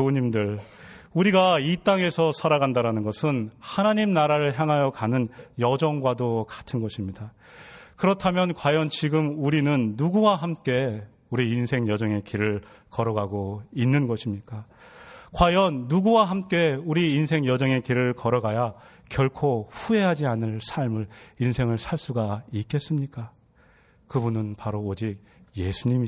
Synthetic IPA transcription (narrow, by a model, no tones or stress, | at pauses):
oɲimdɯɭ | uɾiɡait͈aŋe̞sʰʌsʰaɾaɡandaɾanɯnɡʌsʰɯnhanaɲimnaɾaɾɯɭçjaŋɦajʌkanɯnjʌd͡ʑʌŋɡwadokḁtʰɯnɡʌɕʰimɲida | kɯɾʌtʰamjʌnkwajʌnt͡ɕiɡɯmuɾinɯnːuɡuwaɦamk͈e̞ | uɾiːnsʰe̞ŋjʌd͡ʑʌŋe̞kiɾɯɭ | kʌɾʌɡaɡoinːɯnɡʌɕʰimɲik͈a | kwajʌnːuɡuwaɦamk͈e̞uɾiːnsʰe̞ŋjʌd͡ʑʌŋe̞kiɾɯɭkʌɾʌɡaja | kjʌɭkʰoɸue̞ɦad͡ʑianɯɭsʰaɭmɯɭinsʰe̞ŋɯɭsʰaɭs͈uɡaik͈e̞s͈ɯmɲik͈a | kɯbunɯnpaɾoːd͡ʑik̚ | je̞sʰuɲimi